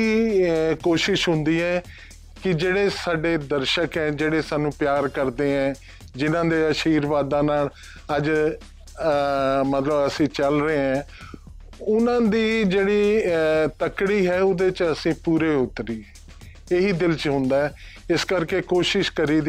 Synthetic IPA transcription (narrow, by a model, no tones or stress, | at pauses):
iːkoːʃɪʃɦʊ̃nd̪iːɛː | kɪd͡ʒeːɽeːsaːɖeːd̪əɾʃəkɦɛ̃ːd͡ʒeːɽeːsaːnũːpɪjaːɾkəɾd̪eːɛ̃ː | d͡ʒɪnãːd̪eːəʃiːɾʋaːd̪ãːnaːl | əd͡ʒ | mət̪ləbəsĩːt͡ʃəlɾəeɛ̃ː | ʊnãːd̪iːd͡ʒeːɽiːt̪əkɽiːɦɛːʊd̪eːt͡ʃəsĩːpuːɾeːʊt̪ːɾiː | eːɦiːd̪ɪlt͡ʃɦʊ̃nd̪aːɛː | ɪskəɾkeːkoːʃɪʃkəɾiːd̪i